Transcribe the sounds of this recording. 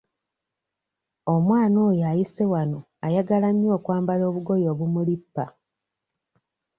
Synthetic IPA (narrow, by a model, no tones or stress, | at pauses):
omwaːnoːjajisewano | ajaɡalamjo̞ːkwaːmbalo̞ːβuɡo̞jo̞ːβumulipːa